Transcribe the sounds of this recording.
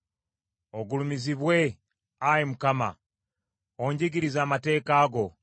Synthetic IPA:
oɡulumiziβwe̞ | ajimukama̰ | oɲɟiɡiɾizaːmate̞ːkaːɡo̞

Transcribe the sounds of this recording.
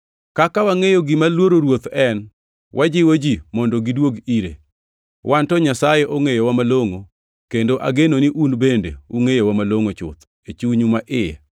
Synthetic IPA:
kakawaŋejoɡɪmalwoɾoɾwot̪ɛn | wʔad͡ʒɪwod͡ʒimɔndoɡidwoɡiɾḛ | wʔantɔɲasajeʔoŋejowamaloŋo | kendoʔa̰ɡenoniʔunbendḛuŋejowamaloŋot͡ʃʊ̰t̪ | et͡ʃuɲumaʔɪjɛ̰

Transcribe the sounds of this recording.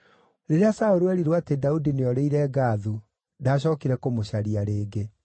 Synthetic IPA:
ɾeɾeasaoɾuɛɾiɾwatedaudineɔɾeiɾɛːɡaðu | daɕ̬ɔːkiɾɛkomoɕaɾiaɾeːɡe

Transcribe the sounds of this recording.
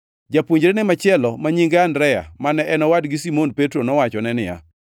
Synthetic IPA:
d͡ʒapuɲd͡ʒɾenɪmat͡ʃɪɛlɔmaɲiŋɡandɾɛja̰manɛʔɛnɔwadɡɪsimonpetɾonɔwat͡ʃɔnɛnɪja̰

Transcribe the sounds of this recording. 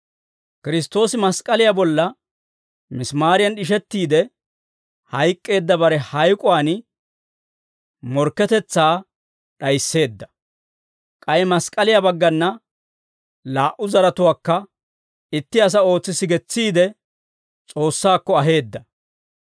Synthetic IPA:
kɪɾɪst̪ːo̞ːsɪmɐskʼɐlɪjabɔlːɐ | mɪsmaːɾɪjɐnɗɪʃ̬ɛt̪ːiːd̪ɛ | hɐjkʼːe̞ːd̪ːɐbɐɾɛhɐjkʼʊwaːn | mɔɾkːɛt̪ɛt͡sːaː | ɗɐjsːe̞ːd̪ːɐ̥ | kʼɐjɛmɐskʼɐlɪjabɐɡːɐnːɐ | laːʔʊzɐɾɐt̪ʊwaːkːɐ | ɪt̪ːɪɐs̬ɐo̞ːt͡sːɪsɪɡɛt͡sːiːd̪ɛ | t͡sʼo̞ːsːaːkːɔɐɦe̞ːd̪ːɐ

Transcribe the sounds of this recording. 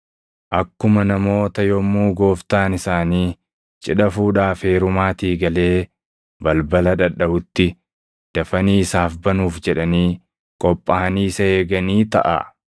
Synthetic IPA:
ʔɐkːʊmɐnɐmo̞ːt̪ɐjɔmːuːɡo̞ːft̪aːnɪsaːniː | t͡ʃʼɪᶑɐfuːᶑaːfeːɾʊmaːt̪iːɡɐle̞ː | bɐlbɐlɐᶑɐᶑɐʔʊt̪ːɪ | d̪̥ɐfɐniːɪsaːfbɐnuːfd͡ʒɛᶑɐniː | kʼɔpʼːɐɐniːsɐheːɡɐniːt̪ɐ̰ʔa̰

